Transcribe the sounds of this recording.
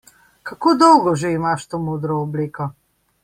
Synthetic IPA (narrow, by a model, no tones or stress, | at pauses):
kakoːd̪ɔwɡɔʒeimaʃt̪oːmoːd̪ɾɔːbliːkɔ